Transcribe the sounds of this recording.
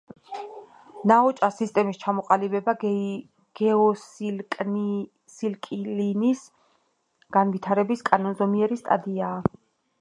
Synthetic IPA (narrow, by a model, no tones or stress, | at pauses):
naɔt͡ʃʼasist̪ʼɛmist͡ʃʰamɔqʼalibɛba | ɡ̥ɛɔsʼ | silkʼlinis | ɡ̥anvit̪ʰaɾɛbiskʼanɔnzɔmiɛɾist̪ʼa̰d̪iaː